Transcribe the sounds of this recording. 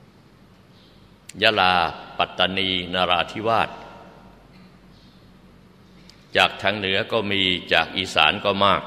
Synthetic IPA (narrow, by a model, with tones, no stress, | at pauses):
jaː˧˥˩laː˧pa˨˩t̪ːa˧niː˧naː˧ɾaː˧t̪ʰi˦˥waː˥˩t̪̚ | t͡ɕaː˨˩k̚t̪ʰa˧ŋnɯ˩˦ɐkɔː˥˩miː˧t͡ɕaː˨˩k̚ʔiː˧˩sa̰ː˩˦nkɔː˥˩maː˥˩k̚